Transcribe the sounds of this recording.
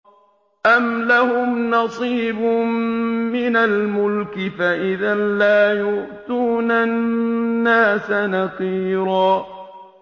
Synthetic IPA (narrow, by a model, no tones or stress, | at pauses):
ʔamlahʊmnɑsˤiːbʊmːɪnalmʊlkɪfaʔɪðanlaːjʊʔt̪uːnanːaːsanɑsˤiːɾɑː